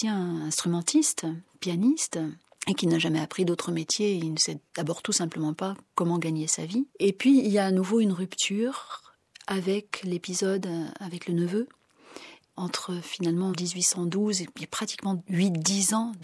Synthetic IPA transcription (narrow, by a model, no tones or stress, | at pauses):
ɛ̃nɛ̃st̪χymɑ̃t̪ʰist̪pjanist̪ | ekʲinaʒamɛapχid̪ot̪χəmet̪jeilnəsɛd̪abɔʁt̪usɛ̃pləmɑ̃pakɔmɑ̃ɡaɲesa̰viepɥiːljaːnuvoynʁypt̪ʰyʁ | avɛklepizɔd̪avɛklənəvø | ɑ̃t̪χəfinalmɑ̃d̪izɥisɑ̃d̪uzeapχat̪i̥kmɑ̃ɥit̪d̪izɑ̃